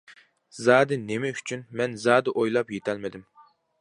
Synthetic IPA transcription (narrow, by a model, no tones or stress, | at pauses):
zɑːd̪ɪnemɛyt͡ʃʰynmɛnzɑːd̪ɨʔojlˠɑpjet̪ʰɛlmɪd̪ɪm